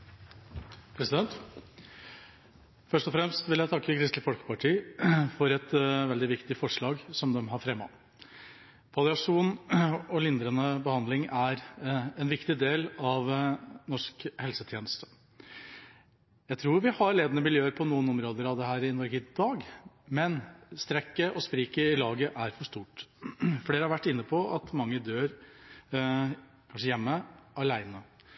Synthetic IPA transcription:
pʰɾɛsɪd̪ɛnt̪ | fœʂʈɔfɾɛmst̪ʋɪljæɪt̪ʰɑkːəkʰɾɪst̪lɪfɔlkə̥pɑʈʰiːfɔɾɛt̪ʋɛld̪ɪʋɪkt̪ɪfɔʂɭɑːɡsɔmd̪ɛmɦɑɾfɾɛmːɑ̰ | pɑlɪɑʂuːnɔlɪnd̪ɾənəbəhɑnd̪lɪŋæɾɛnʋɪkt̪ɪd̪eːlɑʋnɔʂkhɛlsət̪ʰjeːnəst̪ə̥ | jæɪt̪ʰɾuːɾʋɪhɑɾɭeːd̪nəmɪljøːəɾpʰɔnuːənɔmɾoːd̪əɾɑʋd̪əɦæːɾɪnɔɾɡəd̪ɑːɡ | mɛnst̪ɾɛkːəʔɔspɾiːkəɪlɑːɡəʔæɾfɔʂt̪uːʈfɔleːɾəhɑɾʋæʈːɪnːəpʰɔʔɑt̪mɑŋːəd̪øːɾ | kʰɑnʂəjɛmːəɑlæɪnə

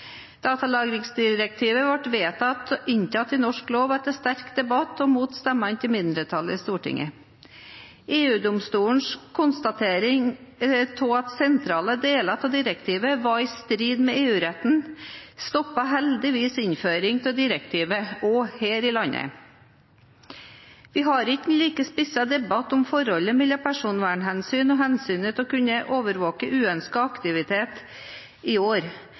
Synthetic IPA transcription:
d̪̥ɑːt̪ɑlɑːɡɾɪŋsd̪ɪɾək̚t̪ʰiːʋəʋɑʈʋeːt̪ʰɑt̪ɪnt̪ʰɑt̪ːɪnɔʂkloːʋɑt̪ɛnst̪æɾkd̪ɛbɑt̪ːɔmuːt̪st̪ɛmɑnt̪ʰɪlmɪnd̪ɾət̪ʰɑlːə̰ɪst̪uːʈɪ̰ŋʔə | ʔeːʉːd̪ʊmst̪uːɳ̩ʂkʰʊnst̪ɑt̪ʰeːɾɪŋt̪ʰoːɑt̪sɛnt̪ʰɾɑːləd̪eːlɑt̪ʰɔd̪ɪɾəkt̪ʰiːʋəʋɑɪst̪ɾiːd̪mɛeːʉːɾɛt̪n̩st̪ɔpːɑɦɛld̪ɪʋiːsɪnføːɾɪŋt̪ʰɪld̪ɪɾəkt̪ʰiːʋəɔheːɾɪlɑnə̰ | ʋɪɦɑɾɪkːnliːkəspɪsɑd̪ɛbɑt̪ɔmfɔɾhɔlːəmɛlːɑpʰæʂuːnʋæːɳɦɛnsyːnɔɦɛnsyːnət̪ʰɔkʉnːəʔoːʋəɾʋoːkəʔʉːœnskɑɑkt̪ɪʋɪt̪ʰeːt̪ | ɪoːɾ

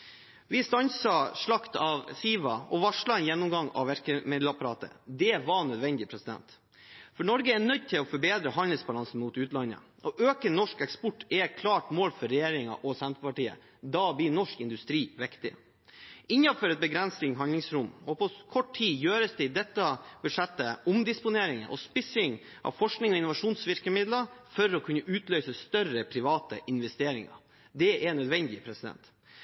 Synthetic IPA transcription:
ʋɪst̪ɑnsɑʂɭɑkt̪ɑʋsiːʋɑɔʋɑʂɭɑɛnjɛnːɔmɡɑŋɑ̰ʋæɾkəmɪd̪l̩ɑpɑɾɑːt̪ə̰d̪ɛʋɑɳœd̪ʋɛnd̪ɪpʰɾɛsɪd̪ɛ̰nt̪ | fɔɳɔɾɡəɛɳœd̪̚t̪ʰɪlɔfɔɾbeːd̪ɾəɦɑnd̪əlsbɑlɑnsn̩muːt̪ʉːt̪lɑnːə̰ | ʔɔʔøːkənɔʂkɛkspɔʈːɛkʰlɑːʈmoːlfɔɾːɛjeːɾɪŋɑ̰ʔɔsɛnt̪əpɑʈiːə̰ | d̪ɑblɪːnɔʂkɪnd̪ʉst̪ɾiːʋɪkt̪ɪ̰ | ɪɲːɑfɔɾɛt̪̚bəɡɾɛnsɪŋɦɑnlɪŋsɾʊmːɔpʰɔkʰɔʈʰːiːjøːɾəsd̪ɛɪd̪ɛt̪ːɑb̥ʉʂɛt̪ːəʊmd̪ɪspʊneːɾɪŋə̰ʔɔ̰spɪsɪŋ | ʔɑ̰ʋfɔʂknɪŋɔɪnʊʋɑʂuːnsʋɪɾkəmɪd̪ləɾfɔɾɔkʰʉnːəʔʉːt̪lœʏsəst̪œrəpʰɾɪʋɑːt̪ə̰ʔɪnʋɛst̪eːɾɪŋɑ̰ | d̪ɛʔɛɳœd̪ʋɛnd̪ɪpʰɾɛsɪd̪ɛ̰nt̪

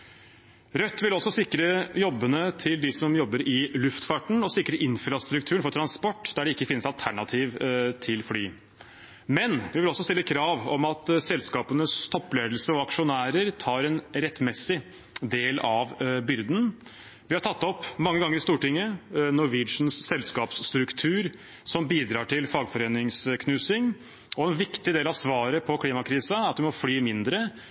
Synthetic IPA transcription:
ɾœt̪ːʋɪlɔsːɔsɪkːɾəjɔbːənət̪ʰɪld̪ɪsɔmjɔbːəɾɪlʉft̪fɑʈɳ̩ɔsɪkːɾəʔɪnfɾɑst̪ɾʉk̚t̪ʰʉːəɳfɔɾʈʰɾɑnspɔʈːd̪æɖɛɪkːəfɪnːəsɑlt̪ʰæɳɑt̪ʰiːʋt̪ʰɪlflyː | mɛnʋɪʋɪlɔsːɔst̪ɪlːəkʰɾɑːʋɔmɑt̪sɛlskɑːpənəst̪ʰɔpːleːd̪lsəɔɑkʂʊnæːɾəɾt̪ʰɑːɾɛnɾɛt̪mɛsɪ | d̪eːlɑʋbʏɾd̪n̩ | ʋɪhɑʈʰɑt̪ːɔpːmɑŋːəɡɑŋːəɾɪst̪uːʈɪŋːənɔɾʋɪd̪ʂn̩sːɛlskɑːpst̪ɾʉkt̪ʰʉːɾ | sɔmbiːd̪ɾɑːʈʰɪlfɑːɡfɔɾeːnɪŋskʰnʉːsɪŋ | ɔɛnʋɪkt̪ɪd̪eːlɑʋsʋɑːɾəpʰɔkʰliːmɑkʰɾiːsəɑt̪̚ʋɪmɔflyːmɪnd̪ɾə

